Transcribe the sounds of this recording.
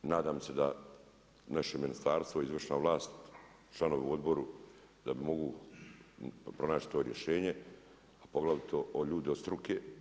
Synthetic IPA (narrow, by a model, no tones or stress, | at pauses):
naːd̪aːmse̞d̪a | naʃeminist̪aːɾst̪ʋoizʋrʃnaʋlˠaːst̪ | t͡ʃlˠano̞ʋeuo̞d̪bo̞ɾu | d̪abimo̞ɡu | pɾo̞naːt͡ʃi̥t̪o̞ːɾje̞̰ʃe̞ːɲe̞ | apo̞ɡlaʋit̪ʰoʔoʎuːd̪iost̪ɾuke